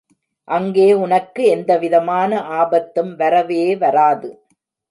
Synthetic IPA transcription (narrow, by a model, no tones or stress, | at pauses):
ʔɐŋɡeːʊnɐkːɯɛnd̪ɐʋɪðɐmaːnɐʔaːbɐt̪ːɯmʋɐɾɐʋeːʋɐɾaːðɯ